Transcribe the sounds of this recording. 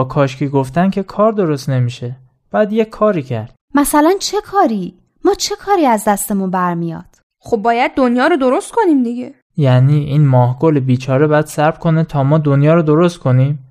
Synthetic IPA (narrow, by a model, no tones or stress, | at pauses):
kʰɒːʃcʰiːɡoft̪ænkʲʰe̞kʰɒːɾd̪o̞ɾost̪ne̞miːʃe | b̥æːd̪jekʰːɒːɾiːcʰæɾd̪̥̚mæsælænt͡ʃʰe̞kʰɒːɾiː | mɒːt͡ʃʰe̞kʰɒːɾiːæzd̪æst̪e̞munbæɾmijɒ̰ːd̪̥ | xobːɒːjæd̪̚ːonjɒːɾod̪oɾost̪̚kʰo̞niːmd̪iɟe | jæniːʔiːnmɒːhɡolebiːt͡ʃʰɒːɾebɒjæd̪sæɾb̥kʰo̞net̪ʰɒːmɒːd̪onjɒːɾod̪o̞ɾost̪̚kʰo̞niːm